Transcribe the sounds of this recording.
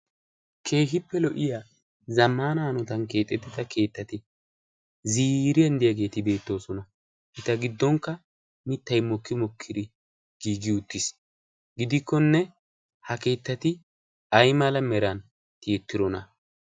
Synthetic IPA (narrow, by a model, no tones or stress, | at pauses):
kʰe̞ːɦɪpːɛlɔʔɪja | zɐmːaːnaːnɔt̪ɐnke̞ːt̪ʼːɛt̪ːɪt̪ɐke̞ːt̪ːɐt̪ɪ | ziːɾɪɐnd̪ɪjɐɡe̞ːt̪ɪbe̞ːt̪ːo̞ːsɔnɐ | ʔɪt̪ɐɡɪd̪ːɔŋkːɐ | mɪt̪ːɐjmɔkːɪmɔkʰːɪd̪ɪ | ɡ̥iːɡɪʊt̪ːɪs | ɡɪd̪ɪkːɔnːɛ | hɐke̞ːt̪ːɐt̪ɪ | ɐjmɐlɐmɛɾɐn | t̪ɪɛt̪ːɪɾɔnɐ